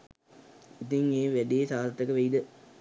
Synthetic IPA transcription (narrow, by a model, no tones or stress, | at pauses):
it̪̬iŋeːʋæɖijesaːdt̪ːəkəʋeid̪ə